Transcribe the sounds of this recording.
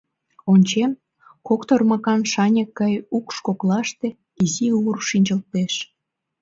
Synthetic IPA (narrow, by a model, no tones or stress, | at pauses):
onʲt͡ɕem | kokt̪ormɑkɑnʃɑnʲekːɑjukʃkoklɑʃt̪e | iziurʃinʲd͡ʑə̆lt̪eʃ